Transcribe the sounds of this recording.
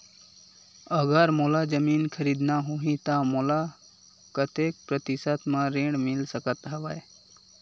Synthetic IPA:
əɡəɾmoːlad͡ʒəmiːnkʰəɾiːd̪naɦoɦĩt̪amola | kət̪eːk̚pɾət̪ɪsət̪mãɾẽːɳɖmɪlsəkət̪ɦəʋaj

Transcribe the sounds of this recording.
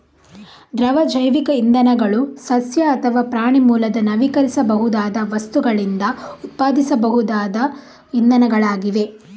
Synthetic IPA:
d̪ɾɐʋɐd͡ʒɐjʋikɐind̪ɐnɐɡɐɭusɐsjɐːt̪ʰɐʋaːpɾaːɳimuːlɐd̪ɐnɐʋikɐɾisɐbɐɦud̪aːd̪ɐʋɐst̪uɡɐɭind̪ɐut̪̚paːd̪isɐbɐɦud̪aːd̪ɐ | ind̪ɐnɐɡɐɭaːɡiʋe̞

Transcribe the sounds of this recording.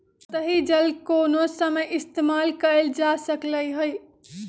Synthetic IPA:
t̪əɦid͡ʒəlkoːnosəməjɪst̪eːmalkəɾeld͡ʒasəkləjɦoj

